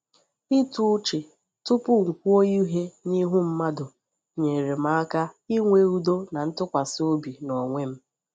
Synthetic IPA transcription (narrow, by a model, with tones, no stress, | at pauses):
i˦tu˦t͡ʃe˨ | tʊ˦pʊ˦ŋ̩˨kʷu˦o˦ji˦ɦe˦ɲi˦ɦu˦m̩˦ma˦dʊ˨ | ɲe˨ɾe˨ma˦a˦ka˦i˦ŋʷe˦u˦do˦na˨n̩˦tʊ˦kʷa˨sɪ˦o˦bi˨nɔ˨ŋʷe˦m̩˦